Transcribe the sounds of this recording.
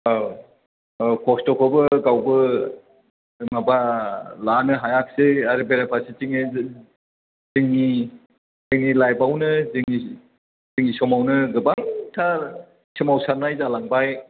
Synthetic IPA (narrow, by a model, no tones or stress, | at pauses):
a | kʰɔstɔkʰɔbɯɡawbɯ | mabalanɯɦajak̚seaɾɯbeɾapʰasit͡ʃiŋ | zɯŋni | zɯŋnilajbawnɯziŋi | zɯŋisɔmawnɯɡɯbaŋtʰaɾ | simawsaɾnajzalaŋbaj